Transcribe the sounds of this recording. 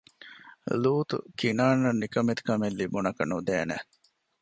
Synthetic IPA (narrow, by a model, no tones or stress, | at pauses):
luːt̪ṵkinaːnːɐnːikɐmet̪u̥kɐmelːibunɐkɐnud̪eːnḛ